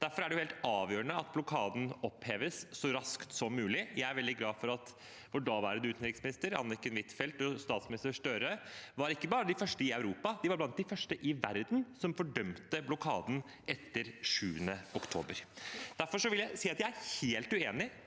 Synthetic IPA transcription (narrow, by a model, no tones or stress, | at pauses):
d̪̥æɾfɔɾæɖɛjʊheːlt̪ɑːʋjøːɾəɳəɑt̪̚blʊkʰɑːd̪n̩ɔpheːʋəsːɔɾɑskt̪sɔmːʉːlɪjæɪæɾʋɛld̪ɪɡlɑːfɔɾɑt̪ | ʋʊɖɑːʋæːɾəd̪ʉʉːt̪nɾɪksmɪnɪst̪əɾɑ̰nːəkːənʋɪt̪fɛlt̪ɔst̪ɑːt̪smɪnɪst̪əʂʈœɾəʋɑɾɪkːəbɑːɾəd̪ɪfœʂʈəɪɑʉɾuːpɑd̪ɪʋɑɾblɑnt̪̚d̪ɪfœʂʈəʔɪʋæɾd̪n̩sɔmfɔɖœmt̪əblʊkʰɑːd̪n̩ | ʔɛt̪ːəɾʂʉːənəɔkt̪ʰo̰ːbəɾd̪̥æɾfɔʂɔʋɪljæɪsiːɑt̪jæɪæɾheːlt̪ʉeːnɪ